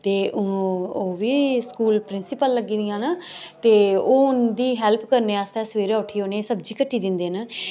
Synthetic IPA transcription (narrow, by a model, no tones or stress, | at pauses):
t̪eːʊoːʋiːskuːlpɾɪnsɪpəlːəɡiːd̪ɪjãːnət̪eːoːʊnd̪iːɦɛːlpʰkəɾneːaːst̪ɛːsʋeːɾaːʊʈʰiːoːnesəb̚d͡ʒiːkəʈʰːiːd̪ɪnd̪eːnə